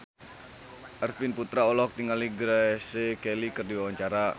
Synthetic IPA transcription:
ʔɛrfinput̪ɾaolɔk̚t̪iŋaliɡɾasekelikərdiwawaɲt͡ʃaɾa

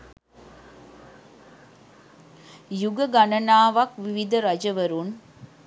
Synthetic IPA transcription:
juɡəɡɐnɐnaːʋɐkʋiʋid̪ɐɾɐd͡ʒɐʋɐɾun

